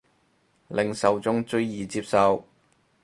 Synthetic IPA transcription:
lɪ˨˩ŋsɐ˨wt͡sʊ˥ŋt͡ʃɵ˧˥ɥjiː˨t͡siː˧p̚sɐ˨˧w

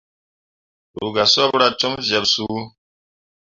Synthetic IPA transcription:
ɾṵ˨ɡa˨sɔ˦bɾa˦tu˦mzɛ˨bsu˦

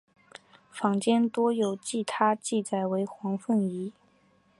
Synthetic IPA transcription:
fɑ˧˥ŋt͡ɕjɛ˥nt̪wɔ˥jo˨˩ʊt͡ɕi˥˩t̪ʰa˥t͡ɕi˥˩t͡sa˨˩ɪwe˧˥ɪxwɑ˧˥ŋfə˥˩ni˧˥

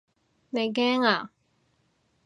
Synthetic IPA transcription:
ne˨˧jk̬ɛː˥ŋaː˨˩

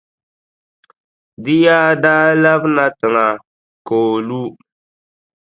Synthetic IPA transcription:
dɪ˦jaː˦daː˦la˦bna˦tɨ˨ŋa˨ | koː˨lu˦

